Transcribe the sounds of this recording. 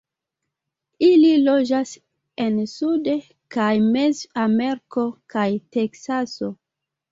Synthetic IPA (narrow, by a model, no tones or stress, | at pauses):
ililo̞d͡ʒas | ensude | kajmezameɾko̞kajte̞ksaso̞